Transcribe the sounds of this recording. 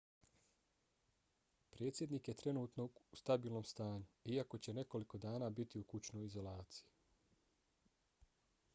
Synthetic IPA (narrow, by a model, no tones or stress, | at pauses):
pɾe̞ːt̪sʲje̞d̪niːkje̞t̪ɾe̞nuːt̪noust̪abiːlˠno̞mst̪aːɲuiako̞t͡ɕe̞ne̞ko̞liko̞d̪aːnaːbit̪iukut͡ɕno̞jizo̞laːt̪si̥ji